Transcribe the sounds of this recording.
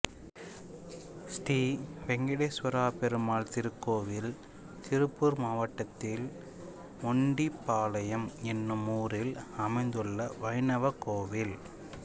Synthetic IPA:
sʈiːʋɛŋɡɐɽeːsʋɐɾaːpɛɾɯmaːlt̪ɪɾɯkːoːʋɪl | t̪ɪɾɯpːɯɾmaːʋɐʈːɐt̪ːɪl | mɔɳɖipːaːlɐjɐmɛnːɯmuːɾɪlɐmɐɪnd̪ɯɭːɐʋɐɪnɐʋɐkoːʋɪl

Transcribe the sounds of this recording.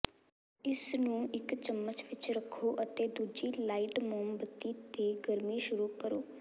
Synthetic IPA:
ɪsnũːɪkt͡ʃəmːət͡ʃʋɪt͡ʃɾəkʰːoːʔət̪eːd̪uːd͡ʒiːlaːiʈmoːmbət̪ːiːt̪eːɡəɾmiːʃʊɾuːkəɾoː

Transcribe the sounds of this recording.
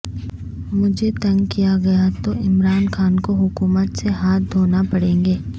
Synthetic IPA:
mʊd͡ʒʱet̪ɐ̃ŋɡkijaɡɐjat̪oʔɪmɾaːnxaːnkoɦʊkuːmət̪seɦaːt̪̚d̪ʱoːnapɐɽẽːŋɡeː

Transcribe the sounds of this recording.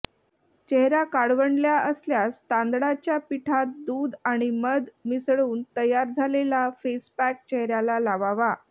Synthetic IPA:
t͡ɕɛɦɾakaɽʋəɳɖljaəsljast̪ãnd̪ɽat͡ɕjapiʈʰat̪̚d̪uːd̪aɽ̃iməd̪misɭuːnt̪əjaɾd͡zʱalelafespæk̚t͡ɕɛɦɾjalalaʋaʋa

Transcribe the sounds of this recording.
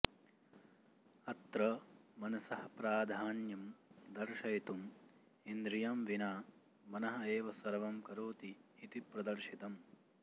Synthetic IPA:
ɐt̪ɾɐmɐnɐsɐɦɐpɾaːd̪ʱaːnjɐmd̪ɐɾʃɐjt̪um | ind̪ɾijaːmʋinaː | mɐnɐɦɐeːʋɐsɐɾɐʋɐmkɐɾoːt̪iːt̪ipɾɐd̪ɐɾʃit̪ɐm

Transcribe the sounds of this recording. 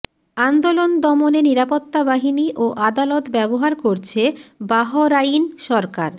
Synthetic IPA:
and̪olond̪ɔmoneniɾapot̪ːabaɦiniʔoʔad̪alot̪bɛboɦaɾkoɾt͡ɕʰebaɦoɾainʃɔɾkaɾ

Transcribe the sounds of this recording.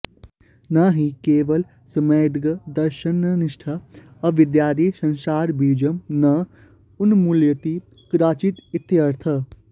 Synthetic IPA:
naɦikeːʋɐl | sɐmeːd̪ɡɐd̪ɐɾʃənniʃʈʰa | ɐʋɪd̪jaːd̪iːsɐ̃nsaːɾbiːd͡ʒɐmnɐ | unmuljət̪i | kɾaːt͡ʃit̪it̪jɐɾt̪ʰɐ

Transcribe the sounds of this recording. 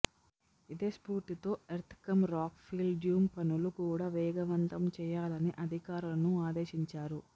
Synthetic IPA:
id̪eːspuːɾʈ̪it̪o̞ːeɾt̪ʰkɐmɾaːkpʰiːlɖjuːmpɐnulukuːɽaːʋɛːɡɐʋɐnt̪ɐmt͡ʃɛːjaːlɐniʔɐd̪ʱikaːɾulɐnuaːd̪eːʃiɲt͡ʃaːɾu

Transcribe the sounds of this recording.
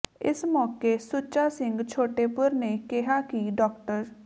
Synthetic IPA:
ɪ̰smɔːkesʊt͡ʃaːsɪ̃ŋɡt͡ʃʰoːʈeːpʊɾnekɪɦaːkiːɖɔːk̚ʈəɾ

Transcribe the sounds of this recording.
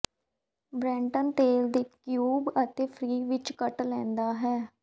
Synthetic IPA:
bɾɛ̃ːɳʈənt̪eːld̪iːkjuːbət̪eːpʰɾiːʋɪt͡ʃkəʈlɛ̃ːnd̪aːɦɛː

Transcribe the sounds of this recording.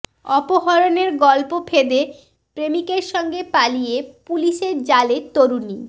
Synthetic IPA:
ɔpoɦɔɾoneɾɡɔlpofʰed̪e | pɾemikeɾʃɔŋɡepalijepuliʃeɾd͡ʑaleɾt̪oɾuni

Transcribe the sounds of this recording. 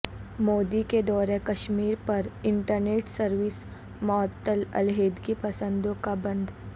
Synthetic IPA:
moːd̪iked̪ɔːɾẽkɐʃmiːɾpɐɾɪ̃ɳʈəɾneːʈsəɾʋɪs | mɔːt̪ːəlɐ̰lɦeːd̪kipɐsə̃nd̪õkabɐ̃nd̪

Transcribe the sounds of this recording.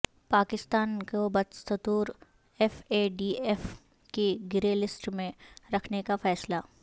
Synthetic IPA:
paːkɪst̪aːnkobɐt̪sɐt̪uːɾ | ɛfeːɖiːeːf | keɡɪɾelɪsʈmẽɾɐkʰnekafɛːsla

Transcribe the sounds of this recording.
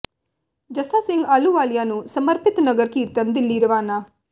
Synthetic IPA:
d͡ʒɐsaːsiŋɡaluʋaːljaːnusɐmɐɾpit̪nɐɡɐɾkit̪ɐnd̪ilːiɾɐʋaːna

